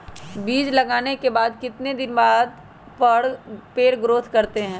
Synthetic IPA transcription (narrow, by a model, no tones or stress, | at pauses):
biːd͡ʒlɐɡaːnekebaːd̪kɪt̪ned̪ɪnbaːd̪ | pɐɽpeːɽɡɾoːt̪ʰkɐɾt̪eɦɛ̃ː